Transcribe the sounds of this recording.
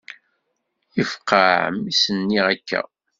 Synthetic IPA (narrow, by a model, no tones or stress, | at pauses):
ifqːaʕmisənːiækːæ̰